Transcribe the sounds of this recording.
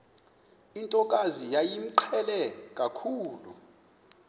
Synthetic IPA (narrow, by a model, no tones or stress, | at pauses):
intʼɔkʼazijajim̩ǃʰɛlɛkʼakʰuːlṵ